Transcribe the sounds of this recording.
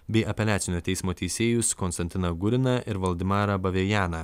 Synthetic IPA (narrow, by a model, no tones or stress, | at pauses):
bʲɛɪʔɐpʲɛlʲæːt̪sʲɪnʲoːt̪ʲɛɪsmoːt̪ʲɛɪsʲeːjʊskɔnst̪ɐnʲt̪ʲɪnɐɡʊɾʲɪnɐʔɪɾʋɐlˠʲd̪ʲɪmɑːɾɐbɐʋʲejæːnɐ